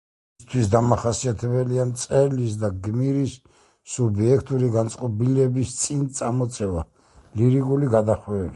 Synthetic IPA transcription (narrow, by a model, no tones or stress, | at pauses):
t̪ʰwisd̪amaχasiat̪ʰɛbɛliamt̪sʼɛɾlisd̪aɡmiɾisː | ubiɛkʰt̪ʼuɾiɡant̪sʼqʼɔbilɛbist̪sʼint̪sʼamɔt̪sʼɛva | liɾiɡuliɡad̪aχwɛːbi